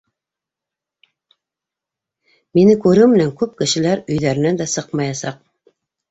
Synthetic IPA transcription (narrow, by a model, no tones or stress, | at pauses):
menɘkʉɾɘmɘ̆næŋkʉp̚kɘ̆ʃɘ̆læɾɵ̆jðæɾɘ̆næd̪æsɤqmɑjɑsɑq